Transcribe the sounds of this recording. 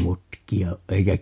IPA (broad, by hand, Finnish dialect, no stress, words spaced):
mutkiɑ oʔ ʔeikæ